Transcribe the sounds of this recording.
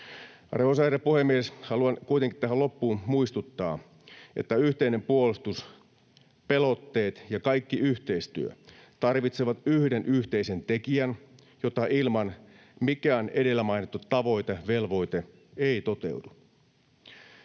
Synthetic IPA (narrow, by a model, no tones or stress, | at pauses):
reosɑrɑpuhe̞mːieshɑluɑnkuijt̪eŋki̥t̪æɦælo̞pːuːmuist̪ut̪ːɑː | ʔe̞̰t̪ːæyht̪eine̞mpuolust̪us | pe̞lo̞t̪ːe̞ːt̪jɑkɑjkːiʔyçt̪e̞ist̪y̰ø̰t̪ɑrʋit̪seʋɑt̪yhdenʔyht̪e̞ise̞nt̪e̞kiæn | jo̞t̪ɑʔilmɑn | mikæːne̞de̞lːæmɑjnit̪ːut̪ːɑʋo̞jt̪eʋe̞lʋo̞jt̪e | eit̪o̞t̪e̞̰wdu